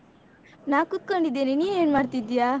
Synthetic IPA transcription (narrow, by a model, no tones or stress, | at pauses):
naːkut̪̚koɳɖid̪ːeninijeeːnmaːɽt̪id̪ijaː